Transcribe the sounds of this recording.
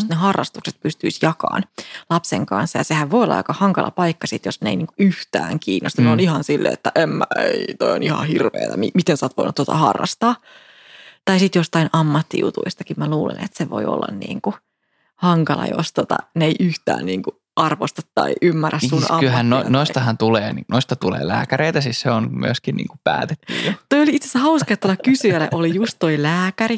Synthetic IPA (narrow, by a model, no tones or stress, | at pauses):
st̪nehɑrːɑst̪ukse̥t̪̚pyst̪yisjɑkɑ̰ːnlɑpseŋkɑ̰nsːɑjɑsehæʋʋojolːɑ̰jo̰kɑhɑŋkɑlʔɑpɑikːɑsit̪josneiniːŋkuyht̪æ̰ːŋkiːnːost̪uneonihɑnsilːʔḛːt̪ːæʔemːæeit̪oio̰nihɑ̰hirʋḛːt̪æmimit̪ensɑːt̪ʋo̰inut̪ːot̪ɑ̰hɑ̰rːɑ̰st̪ɑː | t̪ɑisit̪jost̪ɑinʔɑmːɑt̪ːijṵt̪uist̪ɑkimmæluːlḛnḛt̪seʋo̰io̰lːɑ̰nnḭːŋku | hɑŋkɑlɑ̰jo̰st̪ot̪ɑ̰neiʔyht̪æ̰ːnniːŋku | ʔɑrʋost̪ɑt̪ːɑiʔymːærːæsːunɑ̰lɦænnonoist̪ɑɦɑnt̪uleːninoist̪ɑt̪ulḛːlæːkæɾeit̪æsisseonmy̰øskinnḭːŋkupæːt̪et̪ːyjjot̪oijoliit̪se̥sːæhɑusket̪ːolːɑkkysyælːḛʔolijust̪toilæːkæri